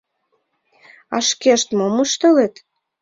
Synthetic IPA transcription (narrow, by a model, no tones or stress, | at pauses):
ɑʃkeʃt̪moməʃt̪ɤlet̪